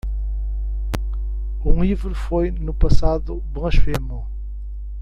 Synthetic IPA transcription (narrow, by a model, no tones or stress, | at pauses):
ũivɾfojnupɐsaðu | bʁɐ̃ʃfemõ